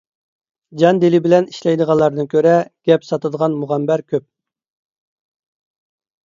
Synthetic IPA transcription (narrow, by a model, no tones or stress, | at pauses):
d͡ʒɑnd̪elɪbɪlɛni̥ʃlɛjd̪əʁɑlˠːɑɾnɨkʲʰøɾɛɡ̥ʲɛpsɑt̪ʰɨd̪əʁɑnmuʁæmbæɾkʲʰøp̚